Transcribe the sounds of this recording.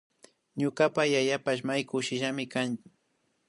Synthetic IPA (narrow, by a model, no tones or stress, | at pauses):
ɲʊkapajajapaʃmajkʊʃɪʒamɪkan